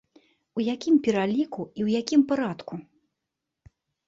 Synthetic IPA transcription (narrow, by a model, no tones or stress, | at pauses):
ujakʲimpʲɛɾalʲikuiwjakʲimpaɾat̪ku